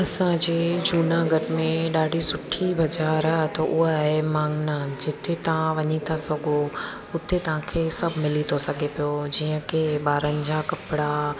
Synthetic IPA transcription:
ɐsãd͡ʑeːd͡ʑuːnaɡɐʈɪmẽɗaːɖʱisʊʈʰibɐd͡ʑaːɾaːɦt̪ɐʔʊɦaaːɦemãːŋɡnad͡ʑɪt̪ʰet̪ɐʋ̤ãʋɐɲit̪ʰasɐɡʱo | ʊt̪ʰet̪ɐʋ̤ãkʰeːsɐbʱmɪlit̪ʰosɐɡʱepijod͡ʑiːə̃keɓaːɾənɪ̆d͡ʑaːkɐpɪɽa

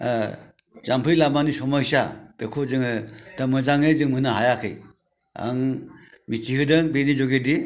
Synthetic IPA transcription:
zampʰɯjlamanisɔmajsab̥ekʰozɯŋd̥amɯzaŋɯzɯŋmɯnɯɦajakʰɯj | a̰ŋmitʰihɯdɯŋbenizɔɡedi

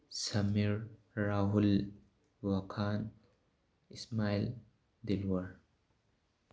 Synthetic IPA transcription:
sɐmiɾː | aɦul | wɐkʰaːn | ismaːil | d̪ilwəɾ

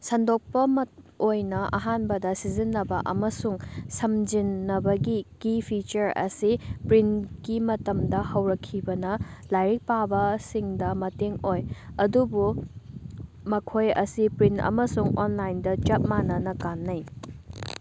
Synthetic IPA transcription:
sɐndok̚pɐmɐtojnɐʔɐ̰ɦanbɐdɐsizinːɐbɐʔɐmɐsuŋsɐmd͡ʒinːɐbɐɡikipʰit͡ʃɐɾɐ̰sipɾinɡimɐtɐmdɐhɐwɾɐkʰːibɐnɐlajɾik̚pabɐsiŋdɐmɐteŋojɐdubu | mɐkʰojɐ̰sipɾinɐ̰mɐsuŋonlajndɐt͡ʃɐt̚manɐnɐkanːɐj

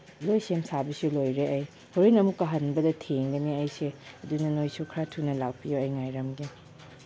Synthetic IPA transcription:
lojsemsabisulojɾeʔɐj | hoɾojnɐmukːɐɦɐnbɐdɐtʰeŋɡɐniɐjseɐdunɐnojsukʰɾatʰunɐlawpijoɐjŋajɾɐmɡi

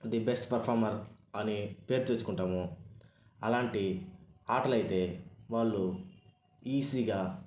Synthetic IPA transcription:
d̪ibesʈpɐɾpʰaːɾmɐɾɐnipe̞ːɾut͡ʃeːsukuɳʈaːmu | ɐlaːɳʈiaːʈɐlɐjt̪e̞ːʋaːɭːu | iːsiːɡaː

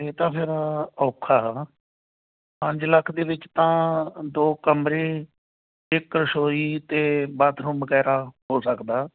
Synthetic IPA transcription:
t̪eːt̪ãːpʰɪɾɔːkʰaː | pə̃ɲd͡ʒləkʰd̪eːʋɪt͡ʃt̪ãːd̪oːkəmɾeː | ɪkːɾəʃoːiːt̪eːbaːt̪ʰɾũːbəɡɛːɾaːɦoːsəkd̪aː

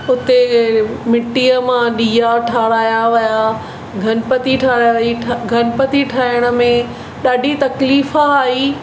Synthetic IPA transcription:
ʊt̪emɪʈːijəmãɗiːjaʈʰaːɽaːjaʋɐja | ɡʱɐnpɐt̪iʈʰaːɽajaʋiɡʱɐnpət̪iʈʰaːɪəɽ̃ə̆mẽ | ɗaːɖʱit̪ɐkliːfaːɦiː

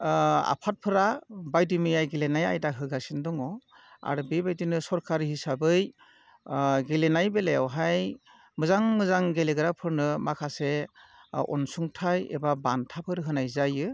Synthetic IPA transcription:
a̰pʰat̚pʰɯɾabajdimɯjajɡelenaja̰jdaɦɯɡasindɔŋɔ | a̰ɾbebajdinɯsɔɾkʰaɾihisabɯj | ɡelenajbelejawɦaj | mɯzaŋmɯzaŋɡeleɡɯɾapʰɯɾnɯmakʰase | ɔ̰nsuŋtʰajḛbabantʰapʰɯɾɦɯnajzajɯ

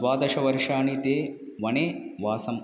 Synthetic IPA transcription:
ʋaːd̪ɐʃɐʋɐɾʂaːɳit̪eː | ʋɐneːʋaːsɐm

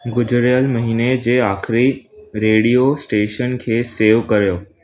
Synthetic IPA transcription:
ɡʊd͡ʑʱʊɾjəlmɐɦiːned͡ʑeːaːxɪɾiɾeːɽijosʈeːʃənkʰeːseːʋkɐɾijoː

